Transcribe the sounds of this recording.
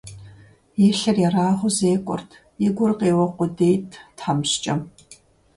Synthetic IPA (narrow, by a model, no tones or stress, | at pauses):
jɛːɬɐrjaraːʁʷʊzeːkʷʼɔ̰rtʰ | jɪɡʷʊrqeːwɔqʷʊdeːjtʰtħamɕt͡ʃʼɐm